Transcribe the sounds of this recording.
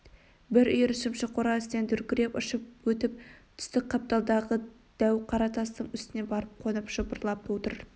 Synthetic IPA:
bɪɾʏjɾɪʃɪmʃɪqʰoɾɑɪst̪end̪ɵɾkʲɪɾe̞pʊʃəp̚wɵt̪ɪp̚t̪ʰʏ̥st̪ɪk̚ʲqʰɑp̚t̪ɑlˠd̪ɑʁə | d̪̥æwqʰɑɾɑt̪ɑst̪əɴʏst̪ɪne̞bɑɾəp̚qʰo̞nəpʒ̥əbəɾlˠɑp̪̚wot̪əɾ

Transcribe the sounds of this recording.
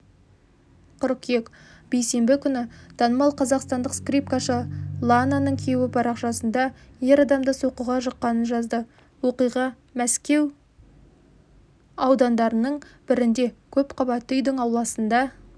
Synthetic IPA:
qʰʊɾkjekb̥ejse̞mbɪkʲʰʏnɪt̪ʰɑnəmɑlˠqʰɑzɑqst̪ɑnd̪əqskrijp̚kaʃəlˠananəɴkʲʰewɪpʰɑɾɑqʃɑsənd̪ɑje̞ɾɑd̪ɑmd̪əsoqəʁɑʒəqːɑnənʒɑzd̪ə | wo̞qijʁɑ | mæskʲe̞w | ɑwd̪ɑnd̪ɑɾənəɴbɪɾɪnd̪e̞kʲʰɵpqʰɑbɑt̪ːəʏjd̪ɪŋɑwlˠɑsənd̪ɑ

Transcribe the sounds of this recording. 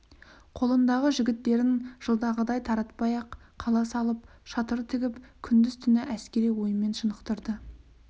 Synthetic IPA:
qʰo̞lˠənd̪ɑʁəʒɪɡʲɪt̪ːe̞ɾɪnʒ̥əlˠd̪ɑʁəd̪ɑjt̪ʰɑɾɑt̪pɑjɑqʰːɑlˠɑsɑlˠəp̚ʃɑt̪əɾət̪ʰɪɡʲɪpkʲʰʏnd̪ɪz̥t̪ʰʏnɪʔæskʲe̞ɾijwo̞jəme̞nʃənəqt̪əɾd̪ə

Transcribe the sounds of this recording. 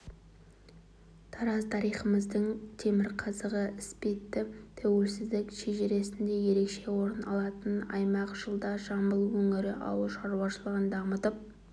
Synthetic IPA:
t̪ʰɑɾɑzt̪ʰɑɾijχəməzd̪əɴt̪ʰe̞mɪɾqʰɑzəʁəɪspet̪ːɪt̪ʰæwe̞lsɪzd̪ɪkʃeʒeɾe̞sɪnd̪e̞je̞ɾe̞kʃe̞wo̞ɾənɑlˠɑt̪ənɑ̰jmɑqʒ̥əlˠd̪ɑʒɑmbəlˠwɵŋɪɾɪʔɑ̰wəlˠʃɑɾuɑʃəlˠəʁənd̪ɑmət̪əp̚

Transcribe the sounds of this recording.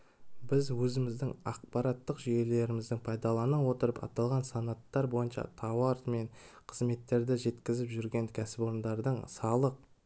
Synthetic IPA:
bɪzwɵzɪmɪzd̪ɪŋɑq̚pɑɾɑt̪ːəqʒije̞le̞ɾɪmɪzd̪ɪŋpʰɑjd̪ɑlˠɑnəwo̞t̪əɾəpɑ̰t̪ɑlˠʁɑnsɑnɑt̪ːɑɾbo̞jənʃɑ̰t̪ʰɑwɑɾme̞nqʰəzme̞t̪ːe̞ɾd̪ɪʒe̞t̪kʲɪzɪpʒʏɾɡʲe̞ŋkʲʰæsɪpo̞ɾənd̪ɑɾd̪əɴsɑlˠəq̚

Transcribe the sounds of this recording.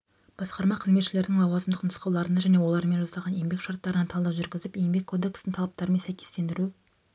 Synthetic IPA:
b̥ɑsqɑɾmɑqʰəzme̞t̪ʃɪle̞ɾd̪ɪŋlˠɑwɑzəmd̪əqnʊsqɑwlˠɑɾənɑʒæne̞wo̞lˠɑɾme̞nʒɑsɑʁɑnje̞mbe̞kʃɑɾt̪ːɑɾənɑnt̪ʰɑlˠd̪ɑwʒʏɾɡʲɪzɪpjejmbe̞kʰːo̞d̪e̞kst̪əŋt̪ʰɑlˠɑp̚t̪ɑɾəmeæjkʲʰe̞st̪e̞nd̪ɪɾu

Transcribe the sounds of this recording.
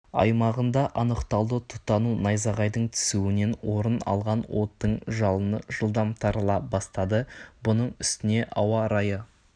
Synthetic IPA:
ɑ̰jmɑʁənd̪ɑʔɑnəqt̪ɑlˠd̪ət̪ʰʊ̥t̪ːɑnunɑjzɑʁɑjd̪əɴt̪ʰʏ̥suwɪne̞nwo̞ɾənɑ̰lˠʁɑnwo̞t̪ːəɴʒɑlˠənəʒ̥əlˠd̪ɑmt̪ʰɑɾəlˠɑbɑst̪ɑd̪əbʊnəɴʏst̪ɪne̞ʔɑwɑɾɑjə

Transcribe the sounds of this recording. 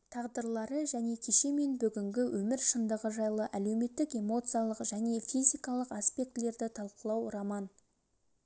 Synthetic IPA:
t̪ʰɑʁd̪əɾlˠɑɾəʒæne̞kʲʰe̞ʃe̞me̞nbʏɡʲɪŋɡʲɪwʔɵmɪɾʃənd̪əʁəʒɑjlˠəʔæle̞wme̞t̪ːɪke̞mo̞t̪sɨjalˠəqʒæne̞fijzʲijkɑlˠəqaspe̞k̚t̪le̞ɾd̪ɪt̪ʰɑlˠqəlˠɑwʊɾɑmɑn

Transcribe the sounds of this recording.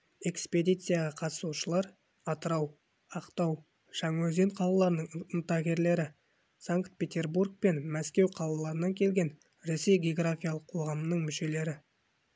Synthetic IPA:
e̞kspe̞d̪ʲijt̪sɨjaʁɑqʰɑt̪ə̥suʃəlˠɑɾ | ɑt̪əɾɑw | ɑqt̪ɑw | ʃɑŋwɵze̞ɴqʰɑlˠɑlˠɑɾənəɴənt̪ɑɡʲe̞ɾle̞ɾɪ | saŋkt̪̚pʲe̞t̪ʲe̞rburk̚pe̞nmæskʲe̞wqʰɑlˠɑlˠɑɾənɑŋkʲʰe̞lɡʲe̞n | ɾe̞se̞jɡʲeoɡɾafʲijalˠəqʰoʁɑmənəɴmʏʃe̞le̞ɾɪ

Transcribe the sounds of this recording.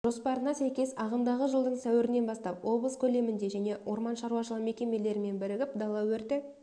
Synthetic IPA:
ʒ̥o̞spɑɾənɑsæjkʲe̞sɑʁənd̪ɑʁəʒəlˠd̪əɴsæwɪɾɪne̞nbɑst̪ɑpwo̞b̪ˠəskʲʰɵle̞mɪnd̪e̞ʒæne̞wʔo̞ɾmɑnʃɑɾuwɑʃəlˠəme̞kʲe̞me̞le̞ɾɪme̞nbɪɾɪɡʲɪp̚d̪ɑlˠɑwɵɾt̪ɪ

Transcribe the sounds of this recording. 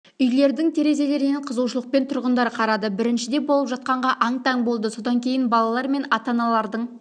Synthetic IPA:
ʏjle̞ɾd̪ɪŋt̪ʰe̞ɾe̞ze̞le̞ɾɪneɴqʰəzuʃəlˠəq̚pe̞nt̪ʰʊɾʁənd̪ɑɾqʰɑɾɑd̪əbɪɾɪnʃɪd̪e̞bo̞lˠəpʒɑt̪̚qɑɴʁɑʔɑɴt̪ʰɑŋbo̞lˠd̪əso̞d̪ɑŋkʲʰe̞jɪnbɑlˠɑlˠɑɾme̞nɑt̪ɑnɑlˠɑɾd̪əɴ

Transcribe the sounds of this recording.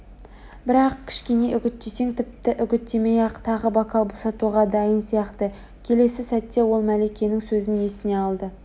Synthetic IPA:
bɪɾɑq̚kʲʰɪ̥ʃkʲe̞ne̞ʔʏɡʲɪt̪ːeseŋt̪ʰɪp̚t̪ɪʔʏɡʲɪt̪ːemejɑqt̪ʰɑʁəbɑkʰɑlˠbosɑt̪uʁɑd̪ɑjənsijɑqt̪ə | kʲʰe̞le̞sɪsæt̪ːewo̞lˠmælekʲe̞nɪŋsɵzɪnje̞sɪne̞ɑlˠd̪ə

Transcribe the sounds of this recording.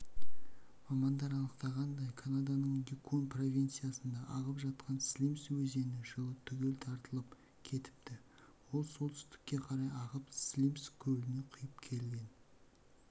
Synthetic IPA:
mɑmɑnd̪ɑɾɑnˠəqt̪ɑʁɑnd̪ɑjkʰanad̪ɑnəɴjikonpro̞vʲijnt̪sɨjasənd̪ɑʔɑʁəpʒɑt̪̚qʰɑnslʲimswɵze̞nɪʒəlˠət̪ʰʏɡʲe̞lt̪ʰɑɾt̪əlˠəp | kʲʰe̞t̪ɪ̥p̚t̪ɪ | wo̞lˠso̞lˠt̪ʰʏ̥st̪ɪ̥kʲːe̞qʰɑɾɑjɑʁəpslʲimskʲʰɵlɪneqʰʊjəpkʲʰe̞lɡʲe̞n

